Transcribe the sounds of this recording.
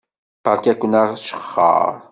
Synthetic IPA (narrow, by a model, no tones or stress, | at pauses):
pakjakʊnɑʃχɑ̰